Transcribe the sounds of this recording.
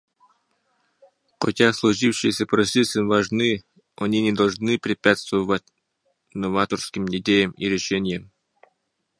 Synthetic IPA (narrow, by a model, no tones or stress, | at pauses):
xotʲaslˠʊʐifɕɪjəsʲəpɾosʲisʲɨnvɐʐnɨ | ɐnʲinʲɪd̪ɐlˠʐnɨpɾʲɪpʲat̪st̪vəvətʲ | novat̪orskʲɪmʲɪdʲejəmiɾʲɪʂɛnʲɪjəm